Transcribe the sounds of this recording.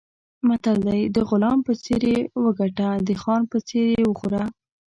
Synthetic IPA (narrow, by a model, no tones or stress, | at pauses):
mat̪ald̪ajd̪əɣʊlɑmpət͡seɾewəɡaʈad̪əxɑnpət͡seɾewəxuɾa